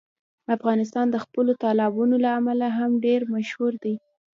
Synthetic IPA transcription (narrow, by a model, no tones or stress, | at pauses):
afɣɑnɪs̬t̪ɑnd̪əxpəlot̪ɑlɑbunolaamalaɦamɖeɾmaʃhuɾd̪aj